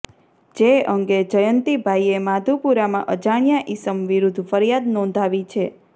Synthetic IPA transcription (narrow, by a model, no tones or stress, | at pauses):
d͡ʒeəŋɡed͡ʒəjənt̪ibʱaiemad̪ʱupuɾamã̰ʔəd͡ʒaɳ̃jaʔisəmʋiɾud̪ʱfəɾijad̪nɔ̃nd̪ʱaʋit͡ʃʰe